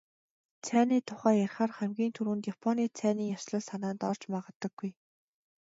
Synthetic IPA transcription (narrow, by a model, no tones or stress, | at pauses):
t͡sʰæːniːt̪ʰʊχæːjærχaːrχæmɡʲiːnt̪ʰuɾuːnt̪japʰɔniːt͡sʰæːniːŋjaʃɮə̆ɮsanaːnt̪ɔr̥t͡ɕmaʁə̆t̪ːə̆ɡ̥ːuj